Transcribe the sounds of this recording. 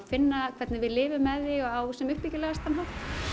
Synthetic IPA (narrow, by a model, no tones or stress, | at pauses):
fɪnːakʰv̥ɛt̪nɪvɪðlɪːvʏmːɛðɪɔɣawsɛmʏhpicɪlɛɣast̪amhɦawft̪